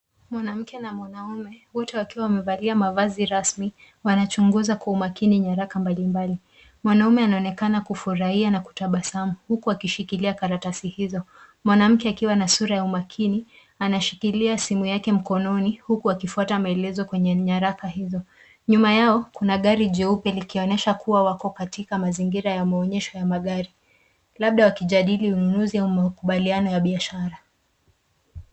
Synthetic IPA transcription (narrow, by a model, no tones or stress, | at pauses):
mwanam̩kɛnamwanaumɛwɔtɛwakiwawamɛvaliamavaziɾasmi | wanat͡ʃuŋɡuzakwaumakiniɲaɾakambalimbali | mwanaumɛanaɔnɛkanakufuɾahianaku̥taɓasamuhukuakiʃikiliakaɾatasihizɔ | mwanam̩kɛakiwanasuɾajaumakʰini | anaʃikiliasimujakɛm̩kɔnɔnihukuakifuatamaɛlɛzɔkwɛɲɛɲaɾakahizɔ | ɲumajaɔkunaɠaɾiʄɛupɛlikiɔnɛʃakuwawakɔkatikamaziŋɡiɾajamaɔɲɛʃɔjamaɠaɾi | laɓ̚ɗawakiʄaɗiliununuziaumakuɓalianɔjaɓiaʃaɾa